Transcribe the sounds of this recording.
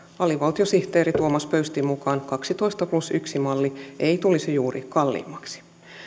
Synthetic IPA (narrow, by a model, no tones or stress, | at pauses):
ɑliʋɑlt̪iosiht̪eːɾit̪uomɑspøyst̪imukɑːnkɑksit̪o̞jst̪ɑplusyksimɑlːieit̪ulisejuːrḭkɑlːḭːmːɑksi̥